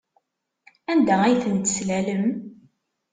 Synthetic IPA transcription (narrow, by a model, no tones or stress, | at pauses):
ænd̪ææjθənt̪əslæləm